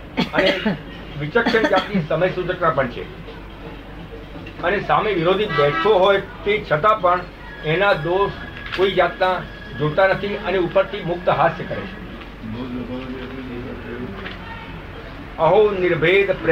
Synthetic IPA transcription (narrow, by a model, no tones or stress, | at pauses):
əne | ʋɪt͡ʃəkʃənd͡ʒat̪nisəməjsud͡ʒək̪apəɳt͡ʃʰḛ | ənesameʋɪɾod̪ʱibɛt̪ʰoɦojt̪et͡ʃʰət̪apəɳ | enad̪oʃ | koid͡ʒat̪na | d͡ʒot̪anət̪ʰiəneupəɾt̪ʰimʊk̚t̪əɦaskəɾḛt͡ʃʰḛ | əɦonɪɾbʱed̪pɾ